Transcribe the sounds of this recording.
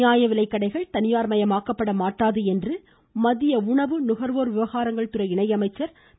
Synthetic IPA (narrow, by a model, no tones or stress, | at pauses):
jaːjɐʋɪɭɐɪkːɐɽɐɪɣɐɭt̪ɐnɪjaːɾmɐjɐmaːkɐpːɐɽɐmaːʈːaːðɯɛndrɯ | mɐðɪjɐʊɳɐʋɯnʊɣɐɾʋoːɾʋɪʋɐɣaːɾɐŋɡɐɭt̪ɯɾɐɪɪɳɐɪɐmɐɪt͡ʃːɐɾ